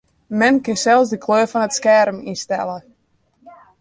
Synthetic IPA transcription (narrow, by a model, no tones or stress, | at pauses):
mɛnkɪsɛlˠsdəkʰløːfɔnətskɛrminstɛ̰lˠə